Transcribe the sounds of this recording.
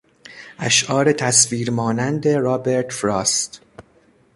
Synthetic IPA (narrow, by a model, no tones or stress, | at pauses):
ʔæʃʔɒːɾe̞t̪ʰæsviːɾmɒːnænd̪e̞ɾɒːbe̞ɾt̪fɾɒːst̪